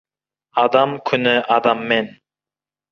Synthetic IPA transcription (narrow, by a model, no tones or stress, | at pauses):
ɑd̪ɑmkʲʰynɪʔɑd̪ɑmːen